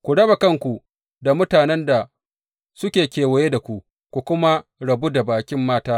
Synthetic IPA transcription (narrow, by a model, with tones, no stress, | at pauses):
kʷu˨ɽɐ˦ba˨kɐ˦ŋkʷu˨ | da˨mʊ˦taː˨nɛ˦nda˨ | sʊ˦kʲeː˨kʲeː˨wɐ˨je˦da˨kʷu˨ʔ | kʷu˨kʷʊ˦ma˦ɽɐ˨bu˦da˨baː˨kʲɪ˦mːaː˦taː˦